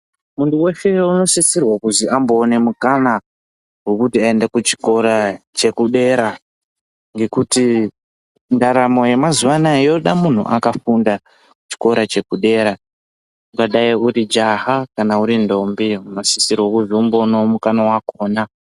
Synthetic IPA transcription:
munduwe̞ʃeuno̞sisirwakuziambo̞ːne̞mukana | ɦwekutiaendakut͡ʃi̥ko̞ɾat͡ʃe̞kuɗe̞ːɾa | ŋɡe̞kuti | ndaɾamo̞je̞mazuwanajo̞ɗamun̤ṵʔakafunda | ku̥t͡ʃi̥ko̞ɾat͡ʃe̞kuɗe̞ɾa | ukaɗaiurid͡ʒaɦakanauɾindo̞mbiunosisirwakuʐiumbonomukanawakoːna

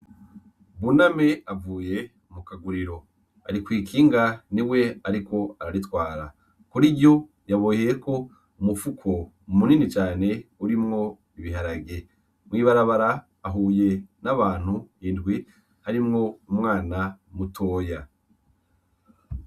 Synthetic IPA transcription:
βuname̞avuːje̞ | umukaɡuɾiɾo̞ | a̰ɾikwiːkʰiːŋɡaniwe̞aɾiko̞aɾaɾitwaːɾa | kuɾiɟo̞ | jaβojejeko̞ | umufukʰo̞ | muninit͡ʃaːne̞uɾimŋo̞ | iβiɦaɾaɡe̞ | mŋiːβaɾaβaɾaː | ɦuːje̞naβaːn̥huindɡwi | haɾimŋo̞umŋaːnamutʰo̞ːja

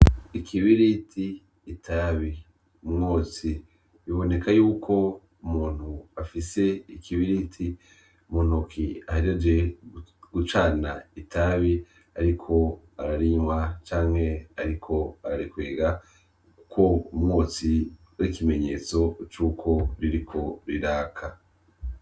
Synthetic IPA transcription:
ikʰiβiɾitʰiː | tʰaːβi | umŋoːt͡si | βiβo̞ne̞kʰajuːkʰo̞ | umuːn̥huafise̞ikʰiβiɾitʰi | umuːn̥ukʰiahaɾiad͡ʒe̞ | ɡ̥ut͡ʃaːna̰itʰaβi | aɾikʰo̞ | aɾaɾiɲwat͡ʃaːŋhe̞aɾikʰo̞aɾaɾikweːɡa | ku̥kʰo̞umŋoːt͡si | uɾikime̞ɲe̞ːt͡so̞t͡ʃuːkʰo̞ɾiɾikʰo̞ɾiɾaːkʰa

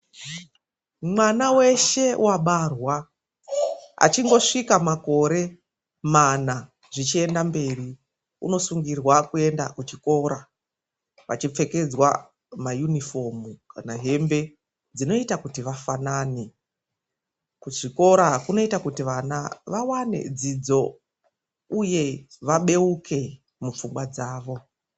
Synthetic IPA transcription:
mwanawe̞ʃe̞wʔaɓarwa | a̰t͡ʃiŋɡo̞ʂikamako̞ɾe̞ | mana | ʐit͡ʃie̞ndambe̞ɾi | ṵno̞suŋɡirwakue̞ndakut͡ʃiko̞ːɾa | ʋa̰t͡ʃip͡fe̞ke̞d͡zwa̰ | majunifo̞mukanaɦe̞mbe̞ | d͡zino̞itakutiʋafanaːni | kuʐiko̞ɾakuno̞itakutiʋana̰ʋawane̞̰d͡zid͡zo̞ | uje̞ʋaɓe̞ukʰe̞ | mup͡fumɡwad͡zaːʋo̞

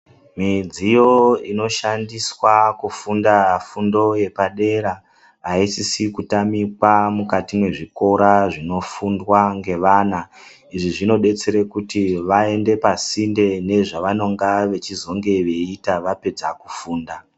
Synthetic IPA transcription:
mid͡zijo̞ino̞ʃandiswakufundaafundo̞je̞paɗe̞ɾa | aisisikutamikwamukatimwe̞ʐiko̞ɾaʐino̞fundwaŋɡe̞ʋaːna | iʐiʐino̞ɗe̞t͡se̞ɾekutiʋae̞nde̞pasinde̞ne̞ʐaʋano̞ŋɡaʋe̞t͡ʃizo̞ŋɡe̞ʋe̞itaʋape̞d͡zakufuːnda

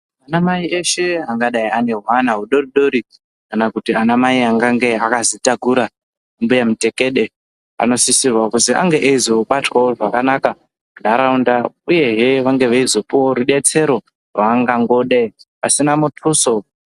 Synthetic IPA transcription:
anamaieʃe̞aŋɡaɗaiane̞ɦwanaɦuɗo̞riɗo̞ɾi | kanakutianamaiaŋɡaŋɡe̞akazitaɡʱuɾa | umbujamite̞keɗe̞ | a̰no̞sisirwakuzia̰ŋɡe̞ʔeizo̞ɓatwawoʐakanaka | muɗaɾaundauje̞ɦeʋaŋɡe̞ʋeizo̞puwoɾuɗe̞t͡se̞ɾo̞ | rwaŋɡaŋɡo̞ɗepasinamutʰuso̞

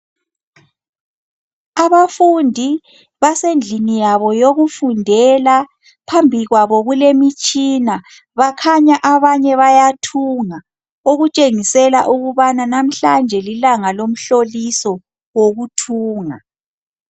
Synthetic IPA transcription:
aβafundʱi | βasend͡ɮʱinijaβɔjoɣufundʱɛla | pʰambʱiɣwaβɔɣulemit͡ʃʼina | βakʰaɲaʔaβaɲɛβajatʰuŋa | oɣut͡ʃʼeŋisɛlaʔuɣuβananam̩ɬand͡ʒʱɛlilaŋalom̩ɬolisɔ | woɣutʰuːŋa

